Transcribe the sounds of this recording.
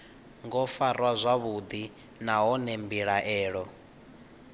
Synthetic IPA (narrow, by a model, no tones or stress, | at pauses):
ŋɡɔfarwazʷaβud̪i | naɦɔnembiɺaʔɛːɺɔ